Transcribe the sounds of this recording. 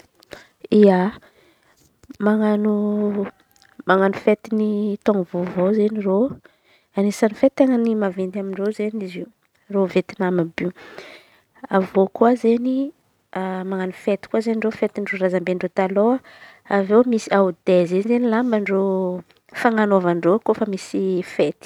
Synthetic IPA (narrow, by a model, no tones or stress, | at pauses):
ia | maŋanu | maŋanufet̪init̪oŋvovozeniro | anisanifet̪aŋənimavend̪amiɳrozenizi | rovet̪inamabi | avokuwazeni | amaŋanufet̪i̥kwazenirofet̪inɖ͡ʐoɾazambeɳɖ͡ʐot̪aloa | avewmisiaud̪ezenzenilambəɳɖ͡ʐo | faŋanovaɳɖ͡ʐokofəmisifet̪i̥